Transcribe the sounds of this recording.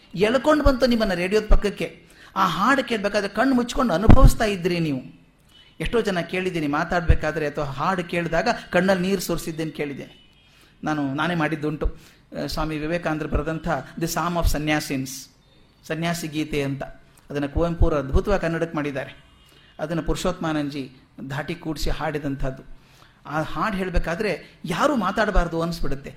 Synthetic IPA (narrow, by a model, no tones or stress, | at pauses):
ɛɭɐko̞ɳɖbɐnt̪unimːɐnːɐɾe̞ːɽijo̞ːd̪̚pɐkːɐkːe̞ | aːɦaːɾɖke̞ːɭbeːkaːd̪ɐɾekɐɳːmut͡ʃːko̞ɳɖɐnubʱɐʋist̪aːjid̪ɾiniːʋu | eʂʈo̞ːd͡ʒɐnːɐke̞ːɭid̪iːnimaːt̪aːɽbeːkaːd̪ɐɾe̞ɐt̪ʰɐʋaɦaːɾɖke̞ːɭd̪aːɡɐkɐɳːɐlːniːɾsoːɾsid̪ːeːnke̞ːɭid̪ḛːni | naːnunaːneːmaːɽid̪ːuɳʈu | sʋaːmiʋiʋeːkaːnd̪ɐɾɐbɐɾɐːd̪ɐnt̪ʰɐd̪ɐsaːmaːfsɐnjaːsiːns | sɐnjaːsiɡiːt̪eɐnt̪ɐ | ɐd̪ɐnːɐkuːjɐmpuːɾɐɐd̪bʱut̪ɐʋaːkɐnːɐɽɐkːmaːɽid̪ːaːɾe̞ | ɐd̪ɐnːɐpuɾiʃoːt̪maːnɐɲd͡ʒi | d̪ʱaːʈikuːɽsihaːɽid̪ɐnt̪ʰɐd̪ːu | aːhaːɖɦeːɭbeːkaːd̪ɐɾe̞jaːɾuːmaːt̪aːɽbaːɾd̪uɐnːsbiɽut̪ːe